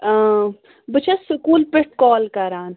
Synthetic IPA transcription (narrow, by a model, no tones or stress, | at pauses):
bɨt͡ʃʰɐsʊkuːlpɪʈ̚kɔːlkɐɾaːn